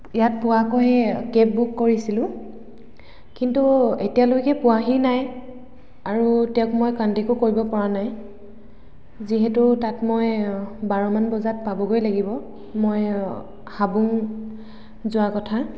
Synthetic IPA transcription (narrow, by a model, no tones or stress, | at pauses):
jat̚pʊwakɔɦɛkɛpbukːoɹisilʊ̃ | kintuetijalojkɛpʊwaɦinaj | aɹutɛʊ̃kmojkantekʊkoɹibɔpɔɹanaj | ziɦɛtʊtatmojbaɹɔmanbɔzat̚pabɔɡojlaɡibɔ | moj | habuŋ | zʊwakɔtʰa